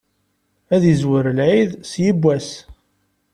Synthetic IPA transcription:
æðəzwəɾəlʕiðsjəbʷːæs

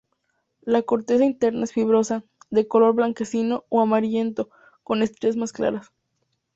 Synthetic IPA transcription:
lako̞ɾt̪e̞saint̪e̞ɾnaesfiβɾo̞saðe̞ko̞lo̞ɾβlaŋke̞sino̞oamaɾje̞nt̪o̞ | ko̞ne̞st̪ɾezmaskla̰ɾas

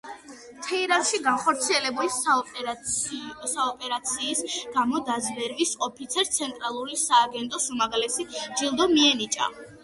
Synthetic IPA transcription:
t̪ʰɛiɾanʃiɡanχɔɾt̪sʰiɛlɛbuli | saɔpʼɛɾat̪sʰiːsɡ̥amɔd̪azvɛɾvisɔpʰit̪sʰɛɾt̪sʰɛnt̪ʼɾalˠuɾisaːɡɛnt̪ʼɔsumaɡalɛsid͡ʒilˠd̪ɔmiɛnit͡ʃʼa̰

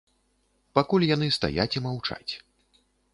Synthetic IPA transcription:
pakulʲjan̪ɨst̪a̰jat͡sʲimawt͡ʂa̰t͡sʲ

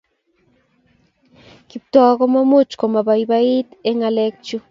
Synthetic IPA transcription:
kip̚t̪uaɣomamut͡ʃkomabajbait̪eŋalek̚t͡ʃu

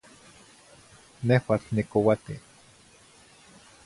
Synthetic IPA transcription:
nehwat͡ɬnikowat̪i

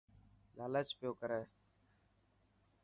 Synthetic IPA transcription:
laːleːt͡ʃpɪjoːkəɾeː

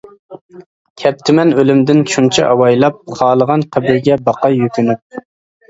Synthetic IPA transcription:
kʲʰɛp̚t̪ʰɪmɛnølymd̪ɪnt͡ʃʰunt͡ʃʰḭʔɑwɑjlˠɑp̚χɑːlˠəʁɑnqʰæbɪɾɡʲɛbɑqɑjyk̪ʲʰynyp̚

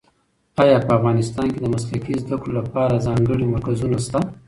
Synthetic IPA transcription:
ɑjɑpəafɣɑnɪst̪ɑnked̪əmaslakizd̪akɽolapɑɾazɑŋɡəɽimaɾkazunast̪a

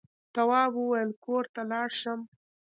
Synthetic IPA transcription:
t̪awɑbuwajəlkoɾt̪alɑɽʃəm

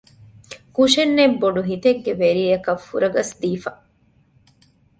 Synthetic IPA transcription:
kuʃenːebːoɖuɦit̪eɡːeʋeɾiːɐkɐfːuɾɐɡɐsd̪iːfɐ

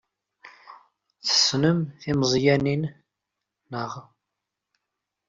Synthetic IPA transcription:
θə̥snəmθimzˤjæninː | əʁ

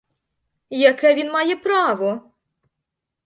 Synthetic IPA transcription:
jɐkɛʋʲinmɑjɛpɾɑʋɔ

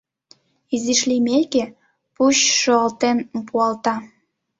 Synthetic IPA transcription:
iziʃlimeke | puɕʃoɑlt̪enpuɑlt̪ɑ

